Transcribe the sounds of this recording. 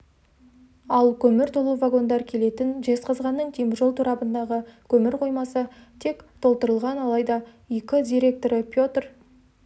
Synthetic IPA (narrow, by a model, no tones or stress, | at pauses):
ɑlˠkʲʰɵmɪɾt̪ʰolˠuvaɡo̞nd̪ɑɾkʲʰe̞le̞t̪ɪnʒe̞sqɑzʁɑnːəɴt̪ʰijmʒo̞lˠt̪ʰuɾɑpənd̪ɑʁəkʲʰɵmɪɾqʰo̞jmɑsət̪ʰe̞kt̪ʰo̞lˠt̪əɾəlˠʁɑnɑlˠɑjd̪ɑ | je̞kʲɪd̪ʲijɾʲe̞k̚t̪o̞ɾəpʲjo̞t̪r